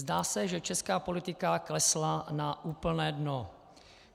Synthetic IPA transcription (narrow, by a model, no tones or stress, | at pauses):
zdaːsɛʒɛt͡ʃɛskaːpo̞lɪt̪ɪkaklɛslanaʔuːpl̩nɛːdno